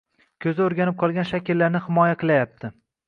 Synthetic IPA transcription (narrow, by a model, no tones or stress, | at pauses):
kʲʰɵzɪoɾɡʲanɪp̚qʰɒlˠɡʲanʃakʲɪlːaɾnɪhɪmɒjaqʰɨlˠajap̚t̪ʰɪ